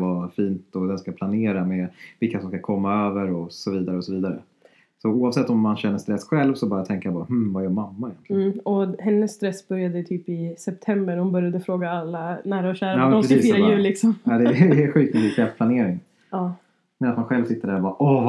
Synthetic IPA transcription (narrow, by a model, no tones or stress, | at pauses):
vafiːnt̪ɔd̪ɛnskapʰlaneːɾamevɪlkasɔmskakʰɔmːaøːvəɾɔsɔviːd̪aɾəɔsɔviːd̪aɾə̰ | sɔuːavsɛt̪ːɔmːanɕɛnːəʂt̪ɾɛsːɧɛlvsɔbœɾjat̪ʰɛŋkajabɑːɾhm̩vaɛjœːɾmamːaɪjɛnʰlɪɔhɛnːəsːt̪ɾɛsːbœɾjad̪ət̪ʰyːpɪsɛp̚t̪ʰɛmbəɾhʊnbœɾjad̪əfɾoːɡaalːanæːɾaɔɕæːɾaɑːmɛppɾɛsiːsfiːɾajʉ̟ːlɪksɔmaːd̪ɛːɧiːt̪uliːkʰɾɛft̪planeːɾɪŋ | ɑ | mɛnat̪manɧɛlvsɪt̪ːəɖæɾvaʔɔ